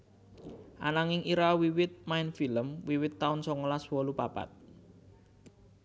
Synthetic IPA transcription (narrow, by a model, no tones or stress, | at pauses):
ʔa̰naŋɪŋʔiɾawiwɪt̪̚maɪnfiləmwiwɪt̪ːaʊnsɔŋəlaswɔlupapa̰t̪̚